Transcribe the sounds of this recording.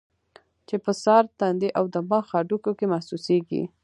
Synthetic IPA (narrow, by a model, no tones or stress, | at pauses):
t͡ʃepəsɑɾt̪and̪eʔawd̪əmɑxɑɖukokemahsuseɡḭ